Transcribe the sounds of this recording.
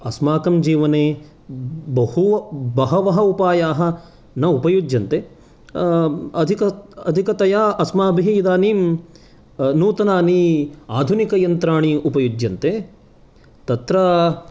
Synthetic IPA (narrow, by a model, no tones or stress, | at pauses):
ɐsmaːkɐmd͡ʒiːʋɐneː | bɐhuʋɐbɐɦɐʋɐɦɐupaːjaːɦɐ̆ | nɐupɐjud͡ʒjɐnt̪e | ɐd̪ʱikɐɐ̰d̪ʱikɐt̪ɐjaːɐsmaːbʱiɦiid̪aːniːm | nuːt̪ɐnaːniaːd̪ʱunikɐjɐnt̪ɾaːɳiupɐjud͡ʒjɐnt̪eː | t̪ɐt̪ɾɐ